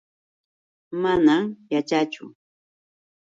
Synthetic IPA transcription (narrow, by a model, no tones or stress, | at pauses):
manamjat͡ʃat͡ʃʊ̰